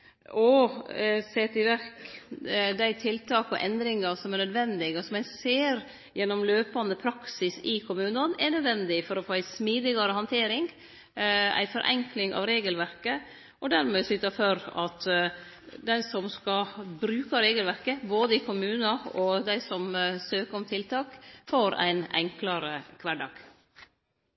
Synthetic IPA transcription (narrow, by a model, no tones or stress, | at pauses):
ʔɔ | seːt̪ɪʋæɾk | d̪æɪt̪ʰɪlt̪ʰɑːkɔʔɛ̰nd̪ɾɪŋɑsɔmæɾnœd̪ʋɛnd̪ɪɡəsɔmæɪseːɾ | jɛnːɔmløːpɑnd̪əpʰɾɑksɪsɪkʰʊmʉːnɑnɛɾnœd̪ʋɛnd̪ɪfɔɾɔfoːæɪsmiːd̪ɪɡɑɾəhɑnt̪ʰeːɾɪŋ | æ̰ɪfɔɾʔɛ̰ŋklɪŋɑ̰ːʋɾeːɡəlʋæɾkə | ɔd̪æɾmeːsʏt̪ɑføɾɑt̪ | d̪æɪsɔmskɑbɾʉːkɑɾeːɡəlʋæɾkəboːd̪əɪkʰʊmʉːnɑɔd̪æɪsɔmsøːkəɾɔmt̪ʰɪlt̪ʰɑːkfoːɾæ̰ɪnɛ̰ŋklɑɾəkʰʋæɖɑ̰ːɡ̥